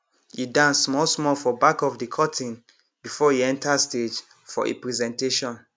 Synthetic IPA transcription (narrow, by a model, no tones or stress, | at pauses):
idãnsmɔlsmɔlfɔbakɔfdikʰɔtĩn | bifɔiɛ̃ntasted͡ʒ | fɔ̰ʔḛpɹɛzɛ̃nteʃɔ̃n